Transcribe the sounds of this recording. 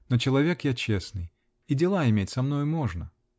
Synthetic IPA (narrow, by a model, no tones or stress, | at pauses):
not͡ɕɪlˠɐvʲe̞kjat͡ɕesnɨj | idʲɪlˠaɪmʲetʲsɐmno̞jʊmo̞ʐnə